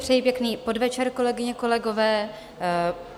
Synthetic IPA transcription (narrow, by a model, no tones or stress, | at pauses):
pr̥ɛjipjɛkniːpo̞dvɛt͡ʃɛɾko̞lɛɡɪɲɛko̞lɛɡo̞vɛː